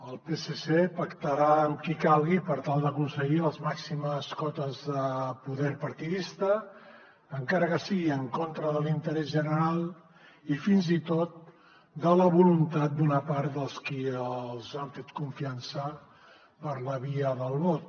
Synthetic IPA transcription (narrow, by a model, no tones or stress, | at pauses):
əlˠpesesepəkt̪əɾaəmkikalˠɣipəɾt̪alˠd̪əkunsəɣiəlˠzmaksiməskɔt̪əzðəpuðɛɾpəɾt̪iðist̪əː | ŋkaɾəkəsiɣiəŋkont̪ɾəðəlint̪əɾɛzʒənəɾalˠ | ifinzit̪ot̪̚ | d̪ələβulunt̪at̪̚d̪unapaɾt̪d̪əlˠskiəlˠzaɱfɛt̪kuɱfiansə | pəɾləβiəðəlˠβɔt̪